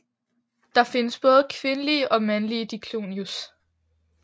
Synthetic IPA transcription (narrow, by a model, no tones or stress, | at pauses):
d̥ɑ̈fe̝nəsb̥ɔ̽ːð̞̩ˠkʰʋe̝nəliəʔɒ̽mænliəd̥ikʰlo̝̰ːnjus